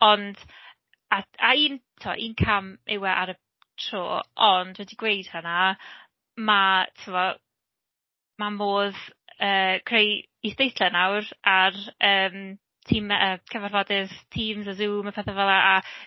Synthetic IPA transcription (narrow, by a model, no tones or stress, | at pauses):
ɔnd̥ | aaiːntʰɪwa̰ʔiːnkʰamɪwɛʔaɾə | tʰro̰ːʔɔndwɛdiɡwejd̥həna | matʰuwɔ | mamoːðəːkʰrej | isd̥ejθlɛnawrarəːm | tʰiːməkʰəvarvɔdɪstʰiːmzazuːmapʰɛθɛvɛlˠaʔa